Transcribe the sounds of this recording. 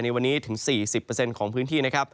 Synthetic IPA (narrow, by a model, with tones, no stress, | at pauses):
jna˧jwa˧nːiː˦˥t̪ʰɯ˩˦ŋsiː˨˩si˨˩pːəː˧se˧nkʰɔː˩˦ŋpʰɯː˦˥nt̪ʰiː˥˩na˥kʰɾa˦˥p̚